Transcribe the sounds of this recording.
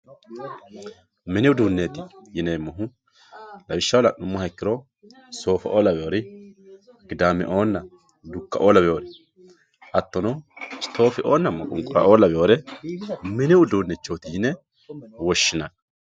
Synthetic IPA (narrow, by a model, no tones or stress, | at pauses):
mɪnɪʊd̪uːnːet̪ɪjɪneːmːɐɦʊ | lɐbɪʃːɐwɔlɐnʊmːʊhɐkːɪɾɔ | so̞ːfɐʔoːlɐbɛjo̞ːɾɪ | ɡɪd̪aːmːɛ̰ʔo̞ːnːɐ | d̪ʊkːɐʔoːlɐbɛjoːɾɛ | ʔɐt̪ːɔnɔst̪o̞ːfɪʔo̞ːnːɐmːɐkʼʊŋkʼʊɾɐ̰ʔoːlɐbɛjo̞ːɾɛ | mɪnɪʊd̪uːnːɛt͡ʃːoːt̪ɪjɪnɛ | wɔʃːɪnɐn